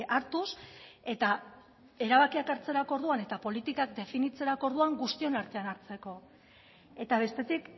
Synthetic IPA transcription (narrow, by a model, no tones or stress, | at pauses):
ʔaɾt̪use̞t̪a | e̞ɾaβakiakaɾt͡se̞ɾako̞ɾðuane̞t̪apo̞lit̪ikak̚d̪e̞finit͡se̞ɾako̞ɾðuaŋɡust̪io̞naɾt̪e̞anaɾt͡se̞ko̞ | e̞t̪aβ̞e̞st̪e̞t̪ik